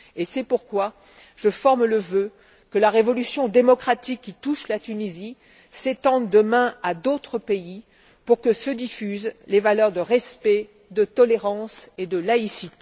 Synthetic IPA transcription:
esɛpuʁkwa | ʒ̥əfɔʁmləvø | kəlaʁevɔlysjɔ̃d̪emɔkχat̪ikʲːit̪uʃlat̪ynizi | set̪ɑ̃d̪ːəmɛ̃ad̪ot̪χəpei | puʁkəsəd̪ifyzlevalœʁd̪əʁɛspɛ | d̪ət̪ɔleʁɑ̃sed̪əlaisit̪e

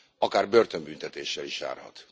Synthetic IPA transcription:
ɒkaːrbørt̪ømbynt̪ɛt̪eːʃːɛliʃa̰ːrhɒ̰t̪

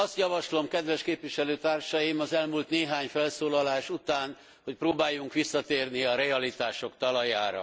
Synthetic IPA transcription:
ɒst̪jɒvɒʃlo̞mkɛd̪ʋɛʃkeːpʋiʃɛløːt̪aːrʃɒjimɒzɛlmult̪neːɦaːɲfɛlsoːlɒlaːʃut̪aːn | hoc̚proːbaːjːuŋkʋisːɒt̪eːrniɒɾɛɒlit̪aːʃo̞kt̪ɒlɒjaːɾɒ̰

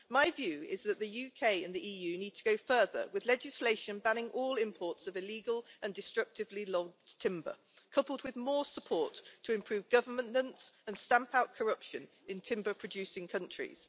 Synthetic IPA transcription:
maɪvjʉːɪzðəʔðəjʉkʰeɪə̃nðiʔiːjʉːniːd̚tʰəɡəʊfɜːðə̰wɪðlɛd͡ʒɪsleɪʃə̃nbãñɪ̃ŋʔɔːlɪ̃mpʰɔˑtsəvɪliːɡəlʔə̃ndɪstɹ̥ʌk̚tʰɪvlilɒɡ̚tʰɪ̃mbə̰ | kʰʌpəlˠd̚wɪðmɔːsəpʰɔˑtʰəɪ̃mpʰɹ̥ʉːvɡʌvəmə̃nə̃ntsə̃nstãmpʰaʊʔ̚kʰəɹʌpʃə̃n | ɪ̃ntʰɪ̃mbəpʰɹ̥əd͡ʒʉˑsɪ̃ŋkʰʌ̃nt͡ʃɹ̥ḭz̥

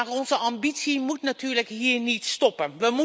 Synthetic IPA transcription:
rɔnzəʔɑmbitsimutnatyːɹləkɦiːɹnitstɔpənʋəmu

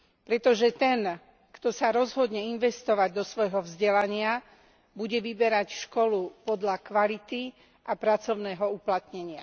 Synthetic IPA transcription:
pɾɛt̪ɔʒɛt̪ɛn | kt̪ɔsaɾɔzɦɔd̪ɲɛinʋɛst̪ɔʋaɟd̪ɔsʋɔjɦɔvzɟɛlaɲɪa | buɟɛʋibɛɾacʃkɔlupɔd̪ʎakʋalit̪i | ʔapɾat͡sɔʊnɛːɦɔuplat̪ɲɛɲɪa

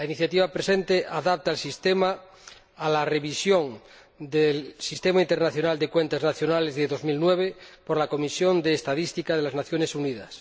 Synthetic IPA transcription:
lainiθjat̪iβapɾesent̪eʔaðap̚t̪alsist̪emaː | lareβisjõŋ | d̪elsist̪emaint̪eɾnaθjo̞nald̪ekwent̪aznaθjo̞nalezðeðo̞zmilnweβepoɾlako̞misjond̪eːst̪aðist̪ikaðelaznaθjo̞nesuniðas

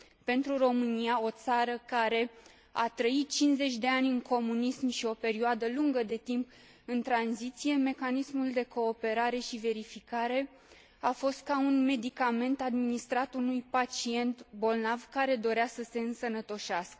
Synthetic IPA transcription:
pe̞nt̪ɾuro̞mɨniao̞t̪saɾəkaɾe̞ | a̰t̪ɾəit̪̚t͡ʃinze̞t͡ʃʲd̪e̞anʲɨŋko̞munismʃio̞pe̞ɾioad̪əluŋɡəd̪e̞t̪imp | ɨnt̪ɾanzit̪sije̞me̞kanismuld̪e̞ko̞ːpe̞ɾaɾe̞ʃive̞ɾifikaɾe̞ | afo̞st̪̚kaunme̞d̪ikame̞nt̪ad̪minist̪ɾat̪unujpat͡ʃie̞nt̪bo̞lnavkaɾe̞d̪o̞ɾeasəse̞ɨnsənət̪o̞ʃeaskə̥

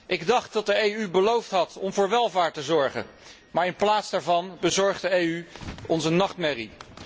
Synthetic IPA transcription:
ʔɪɡdɑχt̚dɑt̚dəejybəlowftɦɑtɔmvʊːɹʋɛlˠvaːɹtəzɔɹχə̰ | maːɹɪnplaːtsdaːɹvɑnbəzɔɹχdəejyɔnzənɑχtmɛri

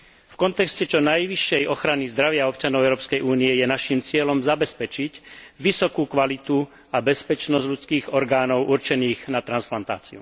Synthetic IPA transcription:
fkɔnt̪ɛkscɛt͡ʃɔnajʋiʃːɛjʔɔxɾanizd̪ɾaʋɪaɔpt͡ʃanɔʊɛʊɾɔːpskɛjʔuːniɛjɛnaʃimt͡sɪɛlɔmzabɛspɛt͡ʃicʋisɔkukʋalit̪u | abɛspɛt͡ʃnɔzɟʎut͡skiːɣɔɾɡaːnɔʊʔuɾt͡ʃɛniːɣnat̪ɾansplant̪a̰ːt͡sḭṵ

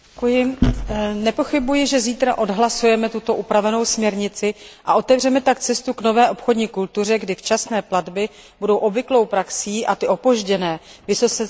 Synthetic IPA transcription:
kujɪ | nɛpo̞xɪbujɪʒɛziːt̪ɾaʔo̞dɦlasujɛmɛt̪ut̪o̞ʔupɾavɛno̞wsmɲɛɾɲɪt͡sɪʔaʔo̞t̪ɛvr̝ɛmɛt̪akt͡sɛst̪ukno̞vɛːʔo̞pxo̞dɲiːkult̪ur̝ɛɡdɪft͡ʃasnɛːpladbɪ | budo̞wʔobvɪklo̞wpɾaksiːʔat̪ɪʔo̞po̞ʒɟɛnɛːvɪso̞t͡sɛ

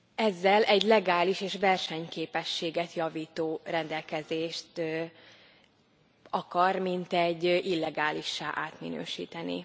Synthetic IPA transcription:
ɛzːɛlʔɛɟlɛɡaːliʃeːʃvɛrʃɛɲkeːpɛʃːeːɡɛt̪jɒviːt̪oːrɛnd̪ɛlkɛzeːʃt̪ | ɒkɒrmint̪ɛɟːʔilːɛɡaːliʃːa̰ːʔaːt̪mḭnø̰ːʃḭːt̪ɛnḭ

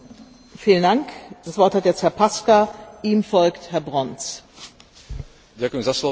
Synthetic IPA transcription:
fiːləndaŋkd̥asv̥ɔɐthatjɛt͡sthɛɐpʰaskaʔiːmfɔlkthɛɐbʁɔnt͡s | dakzasɔ

